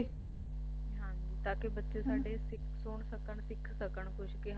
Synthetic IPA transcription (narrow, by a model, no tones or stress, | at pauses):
ɦãː | t̪aːkʰebɐt͡ʃesaːɖesɪksoːɽ̃sɐkəɽ̃sɪkʰsɐkəɽ̃xʊʃkeɦ